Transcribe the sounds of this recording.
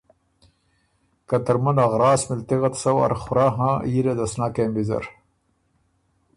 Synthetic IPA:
kat̪aɾmɐnaɣɾɑːsmɪlt̪iɣat̪sawa̰ɾxʊɾaɦãiɾad̪asnakembizɐ̰ɾ

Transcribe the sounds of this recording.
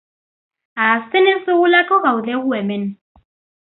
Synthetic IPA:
asɪnɪsɪɣʊlakʼɔɣaudɛɣuɛmɛn

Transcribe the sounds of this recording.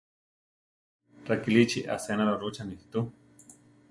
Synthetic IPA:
ɾakilit͡ʃiʔa̰seanaɾaɾut͡ʃanihi̥t̪u

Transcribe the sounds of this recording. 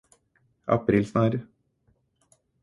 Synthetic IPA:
ʔɑ̰pɾiːlsnɑːɾ

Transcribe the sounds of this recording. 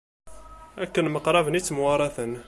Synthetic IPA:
ækːənməqɾˤɑvənit͡sːəmwɑɾˤɑθən

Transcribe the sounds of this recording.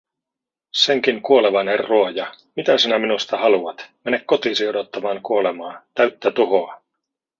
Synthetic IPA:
se̞ŋkiŋkuo̞le̞ʋɑnerːuojɑ | mit̪æsinæminust̪ɑhɑluɑt̪mene̞kkːo̞t̪iːsiodot̪ːɑmɑːŋkuo̞lemɑːt̪æɥt̪ːæt̪uɦoɑ

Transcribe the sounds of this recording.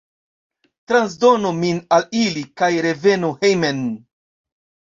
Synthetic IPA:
tɾans̬do̞nominalilikajɾe̞ve̞nuhejmen

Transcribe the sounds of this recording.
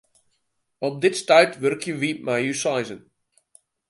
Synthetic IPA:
ɔp̚dɪtstajtʋørkʰjəʋimajusajzən

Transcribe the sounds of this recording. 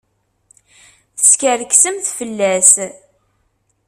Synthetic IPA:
θəskəɾksəmθfəlːæs

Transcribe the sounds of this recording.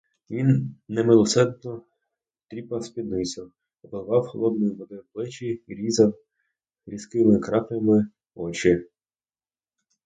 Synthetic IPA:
ʋʲinːɛmɪlˠɔsɛd̪nɔ | t̪ɾʲipɐspʲid̪nɪsʲɐ | ɔpɔlˠʋɑwxɔlˠɔd̪nɔjiʋɔd̪ɪwblˠɪt͡ʃiːɾʲizɐw | ɾʲiskɪmɪkɾɑpʲɐmɪ | ɔt͡ʃɪ

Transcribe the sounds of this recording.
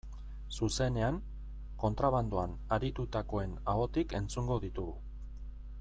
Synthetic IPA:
suse̞ne̞aŋ | ko̞nt̪ɾaβand̪uan | aɾit̪ut̪ako̞e̞nao̞t̪ike̞nt͡suŋɡo̞ðit̪uɣu

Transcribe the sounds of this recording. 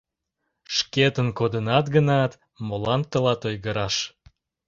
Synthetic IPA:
ʃket̪ənkod̪ənɑt̪ɡənɑt̪ | molɑnt̪ːəlɑt̪ojɣəɾɑʃ

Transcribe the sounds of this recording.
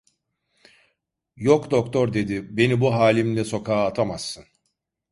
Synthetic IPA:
jokd̪okt̪ʰoɾd̪e̞d̪ibe̞nibuɦaːlʲimlʲɛso̞kʰaːt̪ʰamasːɯn

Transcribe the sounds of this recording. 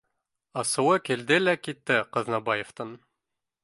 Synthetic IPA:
ɑsɤ̆wɤkild̪ɘlækit̪ːɘqɤ̆ðnɑbɑjĕft̪ɤn

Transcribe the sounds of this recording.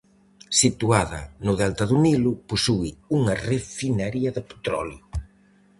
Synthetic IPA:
sit̪uaðɐ̰nʊðɛlt̪ɐðunilʊposuɪuŋɐrefinaɾiɐðɪpe̥t̪ɾɔ̰ljʊ

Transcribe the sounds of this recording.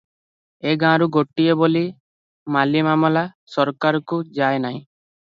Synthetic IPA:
eɡãɾuɡoʈːijeboli | malimamɔlasɔɾkaɾɔkud͡ʒaenaĩ

